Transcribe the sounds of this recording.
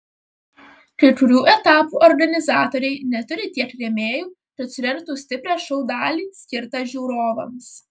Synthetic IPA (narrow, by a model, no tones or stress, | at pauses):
kɐkʊɾʲuːʔɛt̪ɑːpuːʔɔɾɡɐnʲɪzɑːt̪oːɾʲɛɪnʲɛt̪ʊɾʲɪt̪ʲiɛkɾʲeːmʲeːjuː | kɐt̪sʲʊɾʲɛŋkt̪uːsʲt̪ʲɪpʲɾʲæːʃɔʊd̪ɑːlʲiːsʲkʲɪɾt̪ɐʒʲuːɾoːʋɐms